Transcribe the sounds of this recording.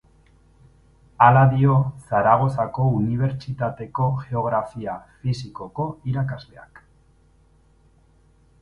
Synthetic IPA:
alaðio̞saɾaɣ̞o̞sako̞uniβ̞e̞ɾt͡ʃit̪at̪e̞ko̞ʝe̞o̞ɣ̞ɾafiafisiko̞ko̞iɾakazle̞a̰k

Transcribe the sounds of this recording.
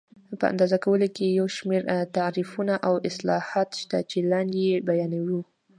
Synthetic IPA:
pə̰a̰nd̪ɑzakawəlokejawʃmeɾt̪aɾifunaʔawɪslɑhɑt̪ʃt̪a̰t͡ʃelɑnd̪jebajɑnawu

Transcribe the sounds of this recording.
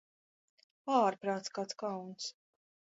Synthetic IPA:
aːɾpɾaːt̪skaːt̪skawns

